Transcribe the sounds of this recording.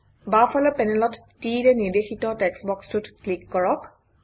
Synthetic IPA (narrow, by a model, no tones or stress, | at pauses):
bafʰɔlɔpɛnɛlɔttidɛniɹdexitɔtɛksbɔkstutklikːɔɹɔk